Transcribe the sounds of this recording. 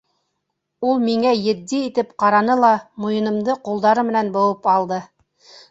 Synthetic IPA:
ulˠmiŋæjɘ̆d̪ːiːt̪ɘpqɑɾɑnɤlˠɑmujɤ̆nɤ̆md̪ɤqulˠd̪ɑɾɤmɘ̆nænbŏwɤpɑlˠd̪ɤ

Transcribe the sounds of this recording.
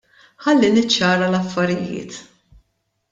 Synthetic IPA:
ħɐlːinɪt͡ʃːɐːɾɐlɐfːɐɾɪjɪ̰ːt̪

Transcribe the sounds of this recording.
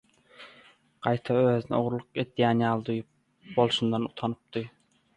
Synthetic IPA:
ɢ̥ɑjt̪ʰɑøːðynio̞ʁɾlˠuqe̞d̪jæːnjɑːlˠd̪ujup̚ | bo̞lˠʃund̪ɑnut̪ʰɑnɯp̚d̪ɯ

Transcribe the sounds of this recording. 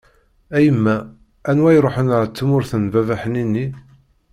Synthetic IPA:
æjəmːæ | ænwæjɾˤoħənət͡sːmʊɾθənvævæħəninːi

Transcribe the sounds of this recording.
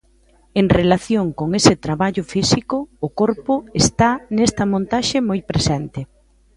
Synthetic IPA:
eŋrelaθjoŋkoŋesɪt̪ɾaβaʎʊfisikʊːkoɾpʊest̪anest̪ɐmõnt̪aʃɪmojpɾesent̪ɪ

